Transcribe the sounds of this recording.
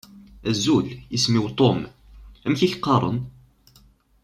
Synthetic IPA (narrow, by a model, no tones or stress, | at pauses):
æzːuljismiwt̪ˤom | æmçiθqːɑɾˤə̰n